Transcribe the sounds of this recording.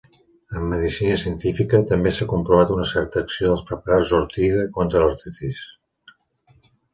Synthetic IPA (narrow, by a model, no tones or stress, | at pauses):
əmːəðisinəsiənt̪ifikət̪əmbesakumpɾuβat̪unəsɛɾt̪əːksioðəlˠspɾəpəɾazuɾt̪iɣəkont̪ɾələɾt̪it̪is